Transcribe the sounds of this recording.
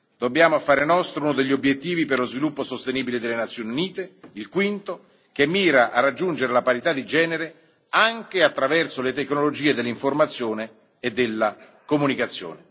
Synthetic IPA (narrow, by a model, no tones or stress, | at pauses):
d̪obːjaːmofaːɾenɔst̪ɾounod̪eʎːobjet̪ːiːviperlozvilupːosost̪eniːbiled̪elːenat̪sːjoːniuniːt̪eilkwint̪o | kemːiːɾaʔarːad͡ʒːund͡ʒeɾelapaɾit̪ad̪ːid͡ʒɛːneɾe | aŋk̟eat̪ːɾavɛrsolet̪eknolod͡ʒiːed̪elːiɱformat̪sːjoːneː | d̪ːelːa | komunikat̪sːjo̰ːne